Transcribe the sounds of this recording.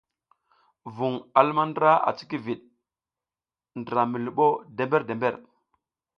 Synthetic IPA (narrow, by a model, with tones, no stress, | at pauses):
vu˨ŋa˨lma˦ndɾa˦ʔa̰˨t͡si̥˦ki˦vi˨ɗ̚ | ndɾa˨mi˨lu˨ɓo˦de˨mbe˦ɾde˨mbe˦ɾ